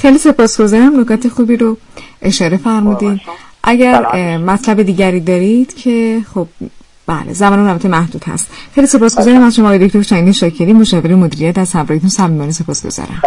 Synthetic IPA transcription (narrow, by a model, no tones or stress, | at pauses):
xejlise̞pʰɒːsɡ̥o̞zɒːɾæmnokʰɒːt̪ʰexuːbiɾo | ʔe̞ʃɒːɾe̞fæɾmud̪inʔæɟæɾmæt̪ʰlæbed̪iːɟæɾiːd̪ɒːɾid̪̥cʰe̞xob̥̚ | b̥æ̰ːlḛzæmɒːnemunælbæt̪ʰːemæhd̪uːd̪hæ̰st̪xejlise̞pɒːsɡ̥o̞zɒːɾæmæzʃoɒːjd̪oct̪ʰoɾʃæŋɡd̪inʃɒːcʰeɾiːmoʃɒːve̞ɾemod̪iːɾijæt̪æz̥hæmɾɒːhet̪ʰunsæmiːmɒːnise̞pʰɒːsɡ̥o̰z̥ɒ̰ːɾæ̰m